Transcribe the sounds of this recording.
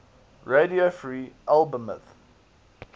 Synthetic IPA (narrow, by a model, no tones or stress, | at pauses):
ɹediofɹiːʔalˠbəmə̰θ